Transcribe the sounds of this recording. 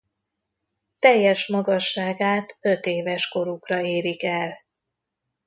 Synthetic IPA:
t̪ɛjːɛʃmɒɡɒʃːaːɡaːt̪øt̪eːvɛʃko̞ɾukrɒeːɾikɛl

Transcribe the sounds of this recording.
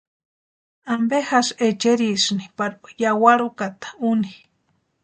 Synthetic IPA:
ambehaset͡ʃeɾisnipaɾjawaɾukat̪ḁuni

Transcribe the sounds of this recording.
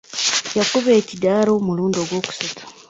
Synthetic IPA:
jakuβe̞ːcidaːɾomuluːndo̞ɡwo̞ːku̥satu̥

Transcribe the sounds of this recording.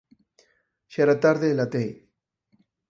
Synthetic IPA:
ʃaɾat̪aɾðelat̪ej

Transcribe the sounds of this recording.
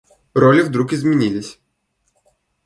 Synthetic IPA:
ɾɔlʲiwd̪ɾukʲizmʲinʲilʲɪsʲ

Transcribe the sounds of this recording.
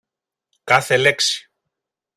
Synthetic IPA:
kɐθeleksi̥

